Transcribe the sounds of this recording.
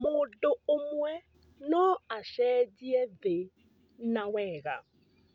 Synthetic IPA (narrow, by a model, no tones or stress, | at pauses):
modoomwɛ | nɔaʃɛdiɛðɪ | nawɛːɣa̰